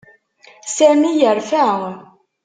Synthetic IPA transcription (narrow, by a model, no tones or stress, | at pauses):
sæɾnijəɾfæ